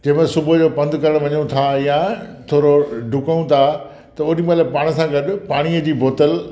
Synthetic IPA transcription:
d͡ʑɐ̃ɦmẽsʊbʊd͡ʑoːpɐ̃nd̪ʱkɐɾəɽ̃ʋɐɲot̪ʰajãt̪ʰoːɾoɖʱʊkaũt̪ʰa | t̪ɐʊnĩmɐlapaːɽ̃əsãɡɐɗpaːɽ̃iəd͡ʑiːboːt̪əl

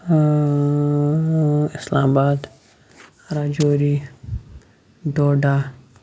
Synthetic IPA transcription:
ɪsla̰ːmabaːd̪ | ɾaːd͡ʒoɾi | d̪oːɖa

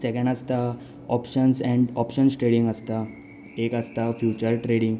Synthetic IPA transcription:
sekẽɳɖast̪a | ɔpɕənsɛ̃ɳɖɔpɕənsʈɾeɽĩŋɡəst̪a | ekəst̪afjut͡ɕəɾʈɾeɽĩŋɡ

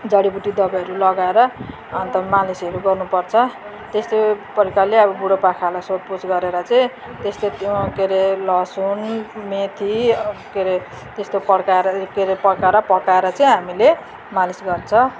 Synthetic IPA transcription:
d͡zʌɽibuʈid̪ʌbaʌɾulʌɡaeɾʌ | ʌnt̪ʌmalisʌɾuɡʌrnupʌrt͡sʰʌ | t̪est̪opʌɾikalːeʌbʌbuɽopakʰalasopusɡʌɾeɾʌt͡saĩ | t̪est̪ot̪jokeɾelʌsunmet̪ʰikeɾe | t̪est̪opʌɽkaeɾkeɾepʌɽkaɾʌpʌkaeɾʌt͡sʌ̃ĩɦamile | malisɡʌrt͡sʰʌ

